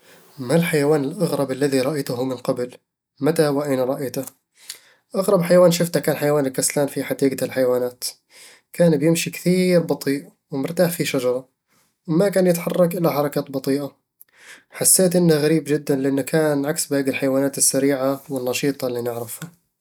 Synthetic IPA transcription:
malħajawaːnɪlʔaɣɾˤɑbalːaðiɾˤɑʔajt̪ʊɦʊmɪnqɑbl | mat̪ahwaʔajnaɾˤɑʔajt̪ʊ | ʔaɣɾˤɑbħajawaːnʃʊft̪akaːnħajawaːnɪlkaslaːnfiħad̪iːɡaɪlħajawaːnaːt̪ | kaːnbjɪmʃikθiːɾbɑt̪ˤiːʔ | wɪmʊɾt̪aːħfiʃad͡ʒɑɾˤɑ | wmakaːnjɪt̪ħɑrˤːɑkʔɪlːaħɑɾˤɑkaːt̪bɑt̪ˤiːʔa | ħasːeːt̪ʔɪnːaɣaɾiːbd͡ʒɪd̪ːanlɪʔanːakʰaːnʕaksbaːɡɪlħajawaːnaːt̪ɪsːaɾiːʕawɪnːɑʃiːt̪ˤɑlːiːnɪʕɾɪfha

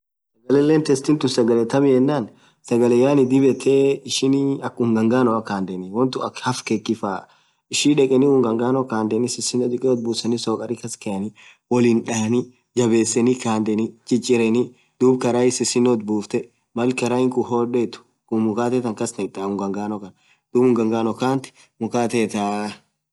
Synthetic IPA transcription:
sɐɡɐlɛlːɛːnt̪ɛst̪ɪnt̪ʊnsɐɡɐlɛt̪ɐmɪjɛnːaːn | sɐɡɐlɛjaːnɪd̪ɪbɛt̪ʰeːɪʃɪnɐkʊŋɡɐŋɡaːnɔɐkaːnd̪ɛnɪwɔnt̪ʊɐhɐfkɛkːɪfaː | ɪʃiᶑɛkʼɛnɪʊŋɡɐŋɡaːnɔkaːnd̪ɛnɪsɪsɪnɔd̪ɪkʼɛɔt̪̚buːsɐnɪsoːkʼɐɾɪkɐskɛɐnɪ | wɔlɪnᶑaːni | d͡ʒɐbeːsːɛnikaːnd̪ɛnit͡ʃʼɪt͡ʃʼːɪɾɛnɪ | d̪̥uːbkɐɾaːɪsɪsɪnːɔt̪̚buːft̪ɛ | mɐlkɐɾaɪŋkʊhoːᶑɛt̪ʊ̥ | kʊmʊkaːt̪ɛt̪ɐŋkɐsnɐt̪ʼːaːʊŋɡɐŋɡaːnɔkɐn | d̪̥uːbʊŋɡɐŋɡaːnɔkaːnt̪ɪ̥ | mʊkaːt̪ɛt̪aː

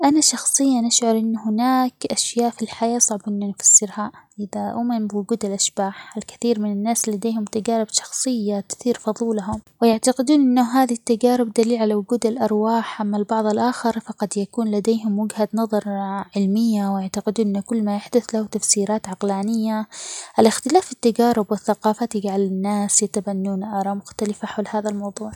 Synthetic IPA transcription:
ʔanaʃɑxsˤɨjːanɪʃʕʊɾˤʔɪnːɦɪnaːkʔaʃjaːʔfilħajaːsˤɑʕbʔɪnːʊnɪfḁsːɪɾhaʔɪðaʔʊmɪnbɪwʊɡuːd̪ɪlʔaʃb̥aːħɪlkḁθiːɾmɪnɪnːaːslad̪eːhʊmt̪aɡaːɾɪbʃɑ̥xsˤɨjːat̪ɪ̥θiːɾfɑðˤuːlaɦʊmwɪjaʕt̪aqɪd̪uːnʔɪnːaɦaːðit̪ːaɡaːɾɪb̚d̪aliːlʕalawʊɡuːd̪ɪlʔɑɾˤwaːħʔamːalbɑʕðˤɪlʔaːxɪɾˤfɑqɑd̪jakuːnlad̪eːɦʊmːʊɡhad̪nɑðˤɑɾˤʕɪlmɪjːawɪjaʕt̪aqɪd̪uːnʔɪnːʊkʊlːmajaħd̪ʊθlahʊt̪afsiːɾaːt̪ʕɑqlaːnɪjːaʔɪlɪxt̪ɪlaːfɪt̪ːaɡaːɾɪbwɪθːaqɑːfat̪ɪɡʕalanːaːsjat̪abanːuːnʔɑɾˤɑmʊxt̪alafaħawlhaːðalmɑwðˤuːʕ

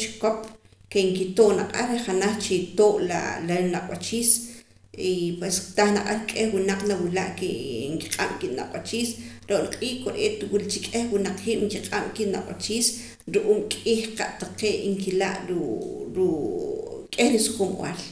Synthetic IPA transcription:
t͡ʃi̥kop | keŋkit̪oʔnaqʼaɾeχanaχt͡ʃit̪oːʔla̰lanaqʼwat͡ʃiːs | ipwest̪aχnaqʼalkʼehwunaq͡χnawila̰ʔkeŋki̥qʼam̰kiʔna̰qʼwat͡ʃiːsɾoʔliqʼiːhkoɾʔḛːt̪wilt͡ʃikʼexwunaq͡χhiːʔŋkiqʼam̰kiʔnaqʼwa̰t͡ʃiːs | ɾuʔuːmkʼiːχqaʔt̪aqeːŋkila̰ʔɾuɾu | kʼeχɾisu̥xumw̰a̰l

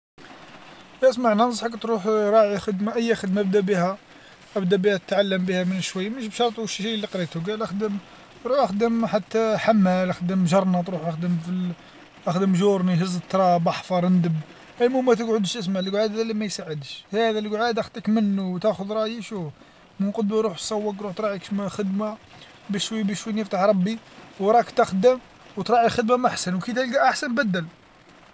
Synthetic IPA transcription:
jæəsmaʕnænəs̬ˤħakt̪ɾuħɾˤɑʕixəd̪maʔəjːæxəd̪mbd̪æbihæ | ʔəbd̪æbihæt̪ət̪ʕalːəmbihæmənʃwəjːməʃ̬bʃɑɾˤt̪ˤuʃʃilːiqɾit̪uɡælʔəxd̪əm | t̪ɾuħʔəxd̪əmħat̪ːæħamːælʔəxd̪əmʒɑɾˤnɑt̪ɾuħʔəxd̪əmfi | ʔəxd̪əmʒuɾˤniɦəzːət̪ːɾˤɑbɑħfɑɾˤənd̪əb | ʔælmumæt̪̬əɡʕʊd̪əʃəs̬maʕlɡʕad̪ælimæjsaʕəd̪əʃhæd̪ælɡʕad̪æxd̪əkmənːut̪æxʊd̪ɾˤɑjiʃu | mənqɑd̪muɾˤuħsˤɑwːɑkɾuħt̪ɾˤɑʕikʃmæxəd̪ma | bəʃwibəʃwinəft̪aħɾˤɑbːi | wɾˤɑkt̪əxd̪əm | wt̪ɾˤɑʕixəd̪mamʔaħsænwkit̪ælɡæʔaħsænbæd̪ːæl

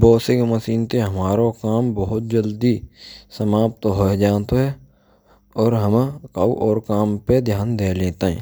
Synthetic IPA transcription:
boːsɪkməsiːnt̪eɦəmaːɾokaːmbəɦʊt̪̚d͡ʒəld̪isəmaːp̚t̪ɦoed͡ʒaːt̪oɦɛ | ɔːɾɦəmkaːuʔɔːɾkaːmped̪ʱjaːnd̪eːlẽːt̪aɦɛ̰̃ː

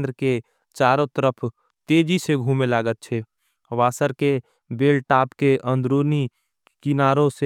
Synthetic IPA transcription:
d̪ɾəke | t͡ʃaːɾõt̪əɾəpʰ | t̪eːd͡ʒiseɡʱũːmelaːɡət̪̚t͡ʃʰɛ | ʋaːsəɾke | beːlʈaːpkeʔə̃nd̪ɾoni | kinaːɾõse

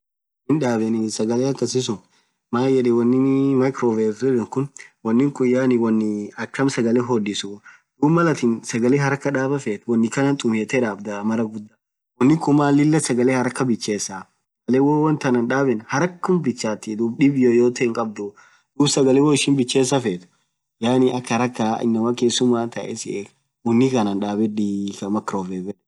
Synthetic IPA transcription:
nɪnᶑaːbɛnɪsɐɡɐleːɐkːɐsɪs̬ʊn | maːjɛᶑɛwɐnːɪmɐjkɾoːveɾɾɛᶑɐŋkʊnwɐnːɪŋkʼʊjːaːnɪwɐnːɪɐkːɐmsɐɡɐleːɦɔd̪ɪsʊ | d̥̪uːbmɐlɐt̪ɪnsɐɡɐleːɦɐɾɐkːɐᶑaːbɐfeːt̪wɐnːɪkɐnɐnt̪ʼʊmheːt̪ɛᶑaːbd̪ɐmɐɾɐɡʊd̪ːɐ | wɔnːɪkʊmaːlɪlːɐsɐɡɐlehɐɾɐkːɐbɪt͡ʃːeːsːa | ɐleːwoːwɐnt̪ɐnɐnᶑaːbɛnhɐɾɐkːʊmbɪt͡ʃːaːt̪ːid̪uːbᶑɪbjoːjoːt̪ɐɪŋkʼɐbd̪ʊ | d̪̥uːbsɐɡɐlewoːɪʃɪnbɪt͡ʃːeːsːɐfeːt̪ʊ̥ | jaːnɪʔɐkːɐɾɐkːaːɪ̰nːɐmɐkeːsːʊmaːnt̪ɐʔɛ̰sɪeːk | wɔnːɪkɐnɐnᶑaːbɛd̪ikɐmɐkɾoːfeːfɛ

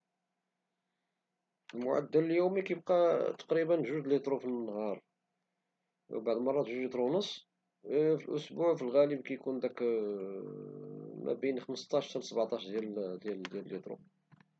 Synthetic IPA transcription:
əlmʊ̰ʕa̰d̪ːæləljumikæjəb̚qɑt̪ɑ̥qɾibənʒuʒd̪lit̪ˤɾufinːhɑɾˤ | wbaʕd̪mɑrˤːɑt̪ʒuʒlit̪ˤɾunəsˤː | filʔʊsbuʕfilɣæləb̚kæjkund̪æk | mæ̰binxəməst̪ɑʃt̪əɾsəbʕt̪ˤɑʃd̪jæld̪jæld̪jæləlːit̪ˤɾṵ

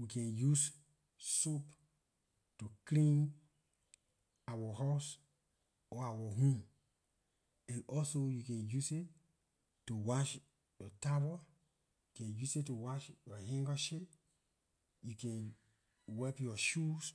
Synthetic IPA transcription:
wikɛ̃njus | sop | tuklĩn | awəhaʊs | ɔawəɦũm | ɛ̃nɔlsojukɛ̃njuset | tuwaʃ | jɔtabə | jukɛ̃njusittːuwaʃjɔhĩŋɡəʃip | jukɛ̃n | wɛpjɔʃus

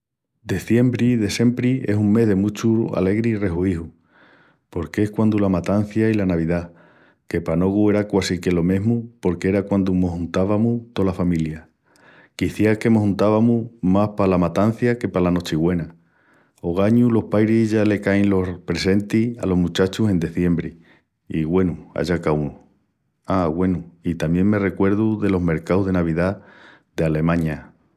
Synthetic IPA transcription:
d̪e̞θje̞mbɾiðese̞mpɾie̞suŋme̞ɦðe̞mut͡ʃua̰le̞ɣɾire̞ɦuihu | po̞ɾkehkwand̪ulamat̪an̟θjailanaβ̞iða | ke̞pano̞ɣ̞ue̞ɾakwasike̞lo̞me̞ɦmupo̞ɾkee̞ɾakwand̪umo̞ɦunt̪aβamut̪o̞lafamilja | kiθjake̞moɦũnt̪aβamumahpalamat̪an̟θjake̞palano̞t͡ʃiɣwe̞na | o̞ɣ̞aɲulo̞hpajɾiʝale̞kajnlopɾe̞se̞nt̪ia̰lo̞ɦmut͡ʃat͡ʃuse̞nd̪e̞θje̞mbɾi | iɣwe̞nua̰ʎakau | aɣwe̞nuit̪amje̞ŋme̞re̞kwe̞ɾðuðe̞lo̞ɦme̞ɾkawɦðe̞naβ̞iða | ðe̞ale̞mãɲa

